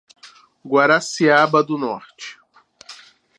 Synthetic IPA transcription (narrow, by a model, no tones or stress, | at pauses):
ɡwaɾasiabɐd̪ʊnɔɾt͡ʃɪ̥